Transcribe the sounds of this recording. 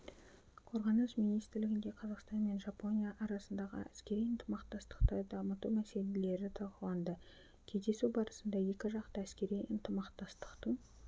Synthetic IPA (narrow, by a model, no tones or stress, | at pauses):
qʰo̞ɾʁɑnəsmijnijst̪ɪɾlɪɡʲɪnd̪e̞qʰɑzɑqst̪ɑnme̞nʒɑpo̞nijaʔɑɾɑsənd̪ɑʁə̰ʔæskʲe̞ɾijənt̪ʰəmɑqt̪ɑst̪ə̥qt̪əd̪ɑmət̪umæse̞lele̞ɾɪt̪ʰɑʁəɑnd̪ə | kʲʰe̞zd̪e̞suwbɑɾəsənd̪ɑje̞kʲɪʒɑqt̪əæskʲe̞ɾijənt̪əmɑqt̪ɑst̪ə̥qt̪ə